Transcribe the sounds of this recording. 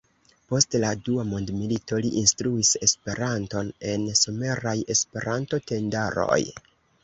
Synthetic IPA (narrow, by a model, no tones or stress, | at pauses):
po̞stladuamondmilito̞liʔinstɾuise̞spe̞ɾanto̞ne̞nso̞me̞ɾaje̞spe̞ɾanto̞te̞ndaɾo̞̰j